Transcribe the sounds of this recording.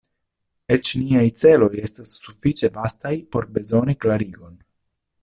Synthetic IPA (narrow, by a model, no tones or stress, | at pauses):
e̞t͡ʃniajt͡se̞lo̞je̞stasːufit͡ʃe̞vastajpo̞ɾbe̞zo̞niklaɾiɡo̞n